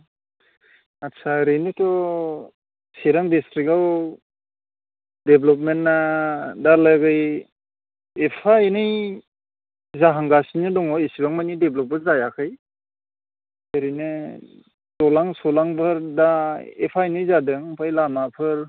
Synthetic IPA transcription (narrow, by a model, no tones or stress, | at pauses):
atsʰaɾɯjnɯtɔ | siɾaŋdistɾikaw | deblɔp̬̚menːadaɾlaɡɯj | epʰaenɯj | zaɦaŋɡasinɯdɔŋɔesibaŋmajnideblɔp̚ɯzajakʰɯj | eɾɯjnɯ | tɔlaŋsɔlaŋbɯɾdaḛpʰajnɯjzadɯŋpʰajlamapʰɯɾ